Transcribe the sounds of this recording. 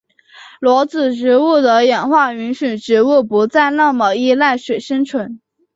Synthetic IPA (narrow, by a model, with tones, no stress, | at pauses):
lwɔ˧˥t͡sɹ̩˨˩ʈ͡ʂɻ̩˧˥u˥˩d̪ə˩jɛ˨˩nxwa˥˩y˧˥nʂi˨˩nʈ͡ʂɻ̩˧˥u˥˩pu˧˥t͡sa˥˧ɪna˥˩mə˨˩i˥˧la˥˩ɪʂwe˨˩ɪʂə˥ŋt͡sʰwə˧˥n